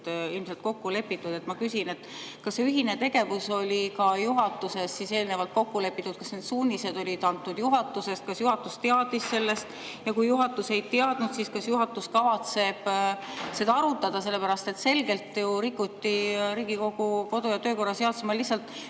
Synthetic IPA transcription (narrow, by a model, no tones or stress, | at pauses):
ilmselt̪ko̞kːule̞pːit̪ːˑud̪e̞t̪mɑkysine̞t̪ːkɑsːeyɦine̞t̪e̞ɡ̥e̞vuso̞lʲikɑjuɦɑt̪ːˑuse̞ssise̞ːlne̞vɑlt̪̚ko̞kːule̞pːˑit̪ːˑut̪̚kɑsne̞d̪suːnʲise̞d̪o̞lʲid̪ɑnt̪ːud̪̥juɦɑt̪ːˑuse̞st̪̚kɑsjuɦɑt̪ːˑust̪eɑd̪̥isse̞lːe̞st̪ | jɑkujuɦɑt̪ːˑuse̞jt̪eɑd̪̥nud̪siskɑsjuɦɑt̪ːˑuskɑvɑt̪se̞b̥se̞d̪ɑɑɾut̪ːɑd̪̥ɑse̞lːe̞pæɾɑst̪e̞t̪se̞lɡe̞lt̪ːˑjuɾikːˑut̪ːiɾiːɡiko̞ɡ̥uko̞d̪o̞jɑt̪øːko̞rːɑseɑt̪semɑlihsːɑlt̪ːˑ